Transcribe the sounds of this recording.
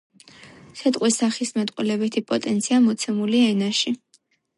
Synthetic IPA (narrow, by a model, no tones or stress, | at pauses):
sɛt̪ʼqʼwisaχismat̪ʼqʼwilɛbɛt̪ʰipʼɔt̪ʼɛnt̪sʰiamɔt̪sʰɛmuliɛnaʃi